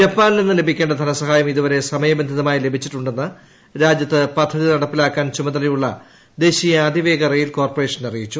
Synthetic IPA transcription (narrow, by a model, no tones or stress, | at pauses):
d͡ʑɐpːaːnilinːɨle̞bʱikʲːe̞ːɳɖɐd̪ʱɐnɐsɐɦaːjɐmiðuʋɐɾe̞sɐmɐjɐbend̪ʱiðɐmaːjile̞bʱit͡ɕːiʈːuɳɖe̞nːɨ | ɾaːd͡ʑjɐt̪ːɨpɐd̪ʰʱːɐðinɐɽɐpːilaːkːaːnt͡ɕumɐnɐlɐjuɭːɐ̰ | d̪e̞ːɕijɐːd̪ʱiʋe̞ːɡɐrejilko̞ːrpɐre̞ːʂɐnɐrijit͡ɕːu